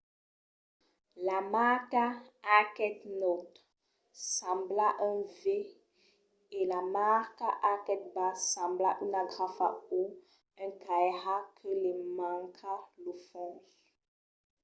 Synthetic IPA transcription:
lamakaːkɛt̪not̪ | sãblaʔɛ̃ve | elamaʁkaʔakɛt̪̚basãmblaʔynaɡʁafa̰o | ɛ̃kajɦakʰəlɛmãŋkʰalofɔ̃ʒ

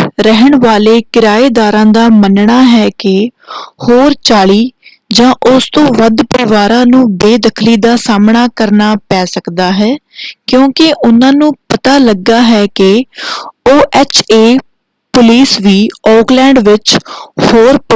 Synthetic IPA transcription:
ɾəɦəɳʋaːleːkɪɾaːeːd̪aːɾãːd̪aːmənɳaːɦɛːkɪhoːɾt͡ʃaːɭiː | d͡ʒãːʔʊst̪õːʋəd̪pəɾɪʋaːɾãːnũːbeːd̪əkʰliːd̪aːsaːmɳaːkəɾnaːpɛːsəkd̪aːɦɛːkjõːkɪʔʊnãːnũːpət̪aːləɡːaːɦɛːkɪ | oːʔɛːt͡ʃʰeː | pʊliːsʋiːɔːklɛ̃ːɳɖʋɪt͡ʃhoːɾ

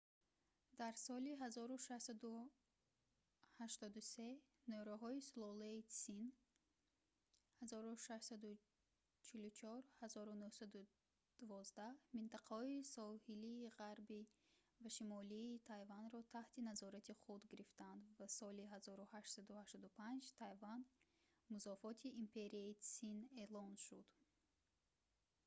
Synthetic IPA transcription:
d̪aɾsɔliɦazɔɾuʃaʃsad̪u | haʃt̪ɔd̪use̞ | nøɾaɦɔislˠɔleisin | hazɔɾuʃaʃsad̪u | t͡ʃʰilut͡ʃʰɔɾhazɔɾunuhsad̪u | d̪̥uvɔzd̪ahmint̪aqahɔisɔhiliːʁaɾbi | vaʃimɔliːt̪ʰajvanɾɔt̪ʰaht̪ʰinazɔɾat̪ʰiχud̪ɡiɾift̪and̪vasɔliɦazɔɾuhaʃtsad̪uhaʃt̪ɔd̪upʰand͡ʒt̪ʰajvan | muzɔfɔt̪ʰiʔːmpʰe̞ɾiaisine̞lɔnʃud̪̥

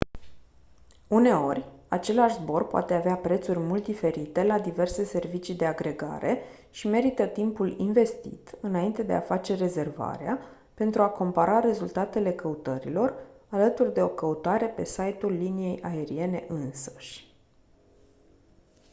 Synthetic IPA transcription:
une̞o̞rʲat͡ʃe̞laʃzbo̞rpoa̰t̪e̞aveapɾe̞t̪surʲmult̪̚d̪ife̞ɾit̪e̞lad̪ive̞rse̞se̞rvit͡ʃid̪e̞aɡɾe̞ɡa̰ɾe̞ | ʃime̞ɾit̪ət̪impulinve̞st̪ḭt̪ɨnaint̪e̞d̪e̞̰a̰fat͡ʃe̞re̞ze̞rva̰ɾḛa | pe̞nt̪ɾuako̞mpaɾaɾe̞zult̪at̪e̞le̞kəut̪əɾḭlo̞ralət̪urʲd̪e̞o̞kəut̪aɾe̞pe̞sajt̪ulːinije̞jʔae̞ɾie̞ne̞ʔɨnsə̥ʃʲ

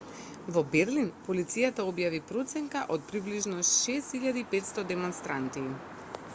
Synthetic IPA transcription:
vɔbɛɾlinpɔlit̪sijat̪aobjavipɾot̪sɛŋkaʔɔt̪̚pɾibliʒnɔʃɛst̪iʎad̪iːpɛt̪st̪ɔd̪ɛmɔnst̪ɾant̪i

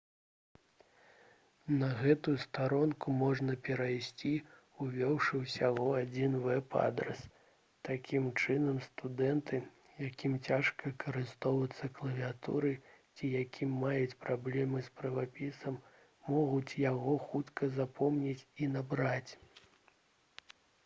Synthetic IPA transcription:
nɐɣɛt̪ujust̪aɾɔnkumɔʐnɐpʲɛɾajsʲt͡sʲi | uvʲɔwʂɨwsʲaɣɔad͡zʲinvɛpa̰d̪ɾɛ̰s | t̪akʲimt͡ʂɨnɐmst̪ud̪ɛnt̪ɨ | jakʲimt͡sʲaʂkɐkʰɐɾɨst̪ɔwvɐt̪sːɐklˠɐvʲiat̪ṵɾɨt͡sʲijakʲimːajut͡sʲpɾablʲɛmɨspɾɐvapʲisɐmː | ɔɣut͡sʲjaɣɔxut̪kʰɐzapʰɔmnʲit͡sʲinabɾat͡sʲ

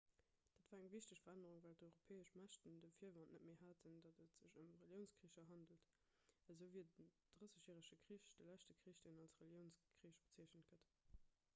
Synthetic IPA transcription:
d̥aːtv̥aːʁæŋviɕtəɕfɐʁænəʁuŋvæːltɔɪʁopʰeːəʃmæʃtəndəfiːɐvɑnʔnətmeːhaːtʰəndɑtətz̥əɕəmʁeljəʊnskʁiːɕɐɦɑndəlt | əzəviːdə | d̥ʁəsəɕjɛːʁəʃəkʁiɕd̥əlæʃtəkʁiːɕd̥enɑlsʁeljəʊnskʁiːʃb̥ət͡siəɕnət̚ɡ̥ət

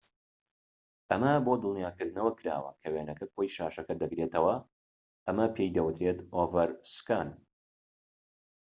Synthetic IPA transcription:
ʔɐmɐbod̪ɨlˠnjaːkɨɾd̪ɨnɐwɐkʰɨɾa̰ːwɐ̰kʰɐweːnɐkɐkʰojʃaːʃɐkɐd̪ɐɡɾeːt̪ɐwɐ | ʔɐmɐpʰejd̪ɐwɨt̪ɾeːt̪ovɐɾskaːn

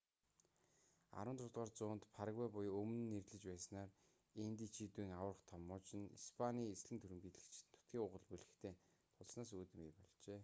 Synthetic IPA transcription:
a̰ɾwə̆nt̪ʊt̪ʁaːrt͡sʊːnt̪pʰaɾəɣæːpʊjɵmn̆nːerɮɘ̆t͡ɕpæːsnaːr | int̪iːt͡ɕʰiːt̪uiːŋawə̆rə̆χt̪ʰɔmːɔːt͡ɕɪ̆nḭspʰaniːesɮɘ̆nt̪ʰɵɾɘ̆mɡiːt̪ɮɘ̆kt͡ɕ̪ʰːʊ̥t̪ɡʲiːŋʊʁə̆ɮpuɮɘ̆xt̪ʰeː | t̪ʰʊɮsnaːs̬uːt̪ɘ̆mijpɔɮt͡ɕeː

